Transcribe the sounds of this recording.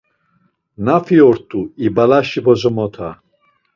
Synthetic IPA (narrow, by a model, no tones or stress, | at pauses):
nafiɔɾt̪ʼuibalaʃibɔzɔmɔt̪ʰa̰